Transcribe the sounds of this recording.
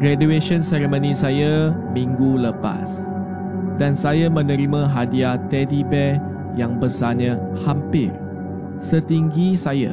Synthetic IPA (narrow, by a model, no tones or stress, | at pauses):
ɡ̥ɾadueʃɔ̃nsɛɾemõnĩsajamĩŋɡuləpa̰s | dansajamə̃nə̃ɾimãɦadiat̪ɛdibɛ | jãŋbəsaɲãhampɪr | sət̪iŋɡisaja̰